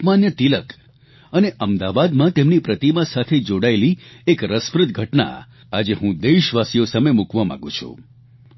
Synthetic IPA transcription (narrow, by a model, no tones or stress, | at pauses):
manjət̪ilək | əneʔəmd̪aʋad̪mãt̪emnipɾət̪imãsat̪ʰed͡ʒoɽaeliekɾəspɾɨt̪̚ɡʱəʈna̰ | ad͡ʒeɦũd̪eʃʋasijosamemukʋamã̰ɡṵ̃t͡ʃʰṵ̃